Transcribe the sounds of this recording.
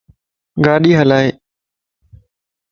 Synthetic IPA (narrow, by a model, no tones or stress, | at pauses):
ɡaːɗiːɦəlaːeː